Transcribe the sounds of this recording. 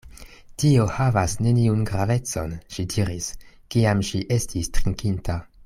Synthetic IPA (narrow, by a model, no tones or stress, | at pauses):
tio̞havasne̞niunɡɾave̞t͡so̞̰nʃidiɾiskiamʃiʔe̞stistɾiŋkintʰa